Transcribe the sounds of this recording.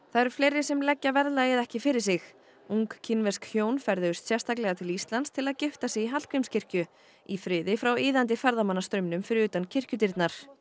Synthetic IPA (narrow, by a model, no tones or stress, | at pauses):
θaðɛɾ̥fleːjɾɪsɛmlɛcːavɛɾlaɛðɛhcɪfɪɾɪ̥sɪx | uŋkcʰːɪnvɛskhjoːwnfɛɾðɪʏst̪sjɛ̥st̪ʰak̬lɛɣat̪ʰɪlist̪lant̪st̪ʰɪlaðcɪft̪asɪɣiɦal̥kʰvejmscʰɪr̥cʏ | ifɾɪːðɪfɾawiːðant̪̬ɪfɛɾðamanːast̪ɾʏmnʏmfɪɾɪʏːt̪ancʰɪr̥cʏt̪̬iɾt̪naɾ̥